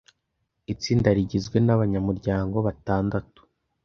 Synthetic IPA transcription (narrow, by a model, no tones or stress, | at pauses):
it͡siːndaɾiɟizɡwe̞naβaɲamuɾɟaːŋɡo̞βataːndatu̥